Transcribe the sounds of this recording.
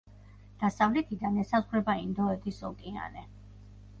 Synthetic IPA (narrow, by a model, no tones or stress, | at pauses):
d̪̥asavlɛt̪ʰid̪anɛsazʁɾɛbaind̪ɔɛt̪ʰisɔkʼia̰nɛ